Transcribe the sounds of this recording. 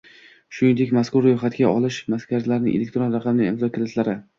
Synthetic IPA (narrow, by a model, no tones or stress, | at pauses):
ʃʊnɪnd̪e̞kʲmaskʊɾːojχat̪ɡʲaɒlɪʃmaskʲʰazlaɾnɪ̰ŋʔelʲek̚ʲt̪ɾonɾɑqʰɑmɪnɪɪmzɒkʲɪlɪt̪ʰlaɾɪ